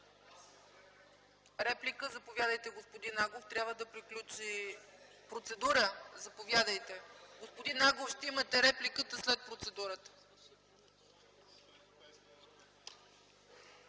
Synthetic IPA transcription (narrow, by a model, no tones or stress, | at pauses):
ɾɛplikəzɐpovʲjad̪əjt̪ɛɡospod̪inːaɡlˠoft̪ɾʲjabvəd̪ɐpɾiklʲut͡ʃi | pɾot̪sɛd̪uɾəzɐpovjad̪əjt̪ɛɡospod̪inaɡlˠofʃt̪ɛimɐt̪ɛɾɛplikət̪əslɛt̪̚pɾot̪sɛd̪uɾət̪ə̥